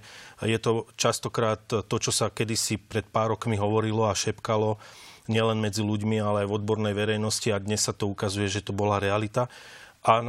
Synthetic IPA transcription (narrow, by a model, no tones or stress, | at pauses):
jɛt̪ɔt͡ʃast̪ɔkɾaːt̪ːɔt͡ʃɔsakɛd̪isipɾɛt̪̚paːɾɔkmiɦɔʋɔɾilɔaʃɛpkalɔɲɪɛlɛnmɛd͡ziluɟmialɛajvɔd̪bɔɾnɛjʋɛɾɛjnɔsciad̪ɲɛsːat̪ɔukazujɛʒɛt̪ɔbɔlaɾɛalit̪aʔan